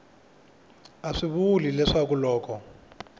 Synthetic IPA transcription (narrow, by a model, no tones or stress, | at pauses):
aʂiβulilɛʂak̬ulɔːkɔ